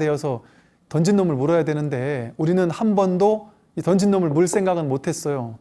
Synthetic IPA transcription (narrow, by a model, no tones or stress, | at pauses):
de̞ʌsʰʌ | tʌnd͡ʑʰinːomɯɭmuɾʌjadwenɯnde̞uɾinɯnhanbʌndo | itʌnd͡ʑinːomɯɭmuɭs͈ʰe̞ŋɡaɡɯnmotʰe̞s͈ʌjo